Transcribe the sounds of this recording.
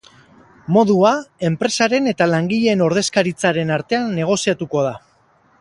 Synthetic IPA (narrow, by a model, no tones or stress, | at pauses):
mo̞ðuae̞mpɾe̞saɾe̞ne̞t̪alaŋɡiʎe̞no̞ɾðe̞skaɾit͡saɾe̞naɾt̪e̞anːe̞ɣ̞o̞siat̪uko̞ð̞a